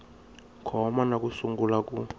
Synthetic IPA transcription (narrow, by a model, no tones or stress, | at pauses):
kʰɔmanak̬ʼusuŋɡulakʼu